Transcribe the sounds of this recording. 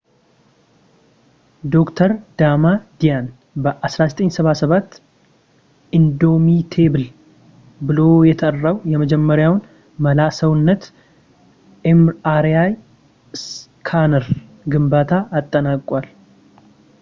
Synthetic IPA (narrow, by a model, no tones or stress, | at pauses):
d̪o̞kt̪ʰəɾd̪̥amad̪ijan | bəʔasɾazət̪ʼəɲːsəβasəβat̪ː | ʔind̪o̞mit̪ʰe̞bɨl | bɨlo̞jɛt̪ʰərːawjɛməd͡ʒɛmːəɾjawn | məlasəwnːət̪ | emaɾjaj | skʰanəɾ | ɡɨmbat̪ʰaʔːt̪ʼːənakʼwal